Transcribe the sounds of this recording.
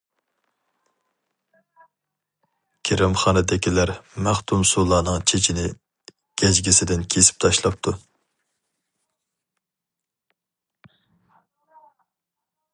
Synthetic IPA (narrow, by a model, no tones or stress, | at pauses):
kʲʰeɾɪmχɑːnɨd̪ɪkʲʰilæɾmæχt̪ʰumsulˠɑːnɨŋt͡ʃʰet͡ʃʰinɪ | ɡ̥ʲɛd͡ʒɡʲisɪd̪ɪnkʲʰesɪ̥p̚t̪ʰɑʃlˠɑp̚t̪ʰu